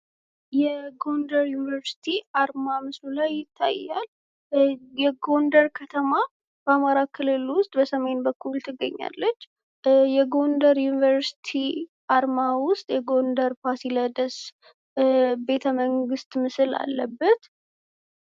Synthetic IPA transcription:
jɛɡo̞nd̪əɾjunivəɾsi̥t̪ʰiaɾmamɨslulajːɪt̪ʰːa̰jːa̰l | jɛɡo̞nd̪əɾkʰət̪ʰəma | b̥əamaɾakʰɨlɨlwʊst̪ʼbəsəme̞nbəkʰːult̪ʰɨɡːə̰ɲːa̰lːət͡ʃː | jɛɡo̞nd̪əɾjunivəɾsi̥t̪ʰi | ʔaɾmawʊst̪ʼjɛɡo̞nd̪əɾpʰasiləd̪əs | be̞t̪ʰəməŋɡɨst̪mɨsɨla̰lːəbːət̪

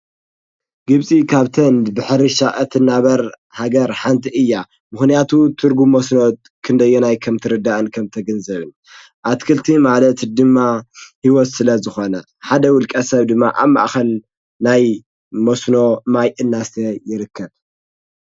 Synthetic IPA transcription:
ɡɨβsʼikʰaβt̪ʰɐnd̪bɨħɨɾiʃaʔɐt̪ʰɨnːaβɐɾ | haɡɐɾħant̪ʰiʔɨjːa | mɨxnijat̪ʰut̪ʰɨɾɡumːɐsnot̪̚ | kʰɨnd̪ɐjːonajkʰɐmt̪ʰɨɾɨd̪aʔɨnkʰɐmt̪ʰɐɡɐnzɐβɨn | ʔat̪kʰɨlt̪ʰimalɐt̪d̪ɨmːahiwɔt̪sɨlɐzɨxo̞nɐ̰ | ħad̪ɐwʊlkʼɐsɐβd̪ɨmːa̰ʔaβma̰ʔxɐl | naj | mosno̞majʔɨnːast̪ʰɐjɪɾɨkʰːɐβ

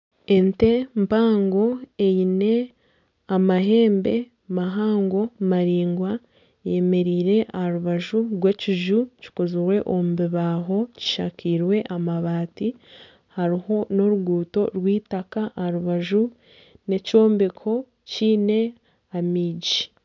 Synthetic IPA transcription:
e̞nte̞mpaːŋɡo̞e̞jine̞ | amaɦe̞ːmbe̞ | maɦaːŋɡo̞maɾiːŋɡwa | je̞me̞ɾiːɾe̞ʔahaɾuβaʒuɾɡweciʒuci̥koziɾwe̞ʔomubiβaːɦo̞ci̥ʃa̰kiːɾwe̞ʔamaβaːti | haɾiho̞no̞ɾuɡuːto̞̰ɾwiːtakaʔaɾuβaʒu | ne̞co̞ːmbekʰo̞ | ciːne̞ | amiːɟi

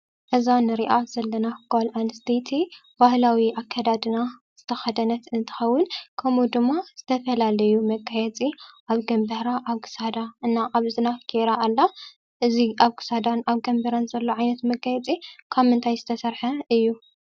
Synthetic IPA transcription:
ʔɨzanɨɾiʔaz̥ɐlːɐnaɡolʔanst̪ʰet̪ʰibahlawiʔakʰːad̪ad̪ɨnaz̥ɨt̪ʰɐxɐd̪ɐnɐt̪ɨnt̪ʰɨ̥xɐwːʊnkʰɐmud̪ɨmːaz̥ɨt̪ʰɐfɐlalɐjumɐɡajɛt͡sʼiʔaβɡɐmbɨhɾaʔaβɡɨ̥sad̪aɨnːaʔaβzɨnakʰeɾaʔːlːa | ʔɨziʔaβɡɨ̥sad̪anaβɡɐmbɐɾanzɐlːoʕajnɐt̪mɐɡajɛt͡sʼikʰaβmɨnt̪ʰajzɨt̪ʰɐsɐɾħɐɨjːu

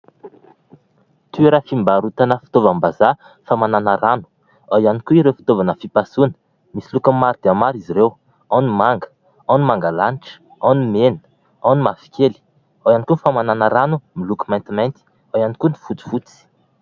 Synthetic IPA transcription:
t̪ueɾafimbaɾut̪anəfi̥t̪ovambaza | famananəɾanu̥ | awjanikuiɾewfi̥t̪ovanəfipasunə̥ | misilukəmaɾid̪̥eamaɾiziɾew | anumaŋɡə̥ | anumaŋɡalaniʈ͡ʂə̥ | awnumenə̥ | awnumafi̥kʰʲeli̥ | awjanikunifamananəɾanumilukimajnt̪imajnt̪i̥ | awanikuni̥fut͡si̥fut͡si̥

